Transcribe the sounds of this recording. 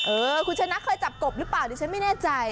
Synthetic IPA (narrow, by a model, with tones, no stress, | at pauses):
ʔɤː˧kʰu˧nt͡ɕʰa˧na˦˥kʰɤː˧jt͡ɕa˨˩p̚ko˨˩p̚ɾɯ˦˥plaː˨˩wt̪i˧t͡ɕʰa˦˥nma˥˩jnɛː˥˩t͡ɕa˧j